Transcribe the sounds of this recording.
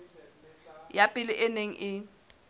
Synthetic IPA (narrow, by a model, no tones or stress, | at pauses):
japʼɪlɪʔɪneŋ̩ʔɪ